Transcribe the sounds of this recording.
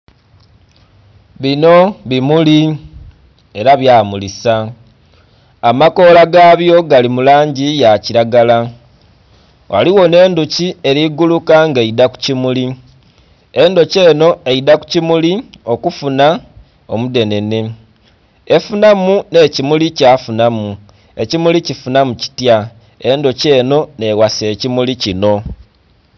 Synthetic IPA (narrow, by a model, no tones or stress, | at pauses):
βino̞βimuli | e̞ɾaβjaːmulisa | mako̞ːlaɡaβjo̞ɡalimulaːɲɟijaciɾaɡala | wa̰liwo̞ne̞ːnducie̞ɾiɡulukaŋɡeidaku̥cimuli | endo̞ce̞ːno̞e̞idaku̥cimulio̞kufuna | o̞mude̞ne̞ne | e̞funamune̞ːcimulicafunamu | e̞cimulicifunamuci̥tja | e̞ndo̞ce̞ːno̞ne̞wase̞ːcimulicino̞